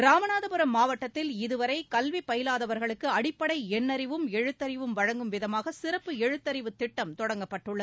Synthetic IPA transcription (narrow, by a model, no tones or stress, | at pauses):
ɾaːmɐnaːðɐpʊɾɐmːaːʋɐʈːɐt̪ːɪlɪðɯʋɐɾɐɪkɐlʋipːɐjɪlaːðɐʋɐɾɣɐɭɯkːɯɐɽɪpːɐɽɐɪɛnːɐɾɪʋɯmɛɻɯt̪ːɐɾɪʋɯmʋɐɻɐŋɡɯmʋɪðɐmaːɣɐsɪɾɐpːɯɛɻɯt̪ːɐɾɪʋɯt̪ːɪʈːɐmt̪ɔɽɐŋɡɐpːɐʈːɯɭːɐð